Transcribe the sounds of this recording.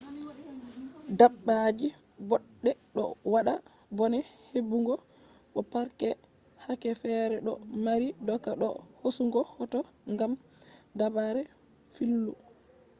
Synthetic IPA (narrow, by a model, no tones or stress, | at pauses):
dabːad͡ʒi | bɔɗːɛɗɔ̰waɗa | bɔnɛ | hebːuŋɡɔ | ɗɔpaɾkɛ | hakɛfɛɾɛɗɔmaɾidɔkːaɗɔ̰hosuŋɡɔhɔtɔ | ŋɡam | dabaɾɛ | filːu